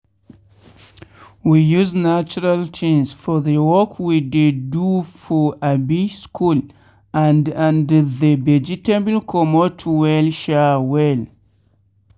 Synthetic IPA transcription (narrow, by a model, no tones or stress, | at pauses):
wijuznat͡ʃuɹalt͡ʃʰĩnsfɔðəwɔkʰwidedufɔʔabiskʰul | ãndãndðəvɛd͡ʒitebəlkʰɔmɔtʰwɛlʃawɛl